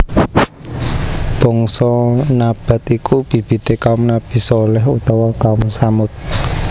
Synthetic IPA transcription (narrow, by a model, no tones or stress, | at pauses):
b̥ɔ̤ŋsɔnab̥a̤t̪ikub̥i̤b̥i̤t̪ekaʊmnab̥i̤solɛɦut̪ɔwakaʊmsamʊt̪̚